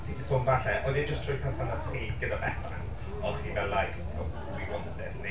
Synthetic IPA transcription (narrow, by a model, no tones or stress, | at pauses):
tʰidisoːnvaɬɛʔɔjðɪd͡ʒəstʰr̥ɔjpʰɛnθanatχiːɡ̥ədabɛθa̰n | ɔχiːvɛlajɡ | ɔ | wiwɔntɛsne